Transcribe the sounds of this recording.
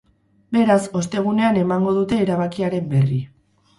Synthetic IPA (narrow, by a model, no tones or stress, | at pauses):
be̞ɾaso̞st̪e̞ɣ̞une̞ane̞maŋɡo̞ð̞ut̪e̞ːɾaβakiaɾe̞mbe̞ri